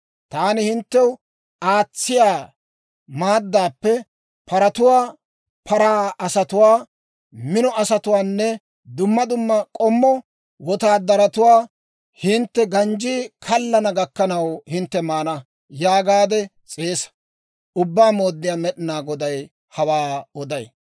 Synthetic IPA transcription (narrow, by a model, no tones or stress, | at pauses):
t̪aːnɪhɪnt̪ːɛw | aːt͡sːɪjaː | maːd̪ːaːpːɛ | pɐɾɐt̪ʊwaː | pɐɾaːɐsɐt̪ʊwaː | mɪnɔɐsɐt̪ʊwaːnːɛ | d̪ʊmːɐd̪ʊmːɐkʼɔmːɔ | wɔt̪aːd̪ɐɾɐt̪ʊwaː | hɪnt̪ːɛɡɐnd͡ʒiːkʰɐlːɐnɐɡɐkːɐnɐwhɪnt̪ːɛmaːnɐ | jaːɡaːd̪ɛ | t͡sʼe̞ːsɐ̥ | ʊbːaːmo̞ːd̪ːɪjaːmɛɗɪnaːɡɔd̪ɐj | hɐwaːɔd̪ɐj